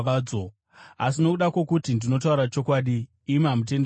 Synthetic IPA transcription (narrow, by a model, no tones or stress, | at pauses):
d͡zo | as̬ino̞kuɗakwo̞kutindino̞t̬auɾat͡ʃo̞kwaːɗiː | mamut̬e̞n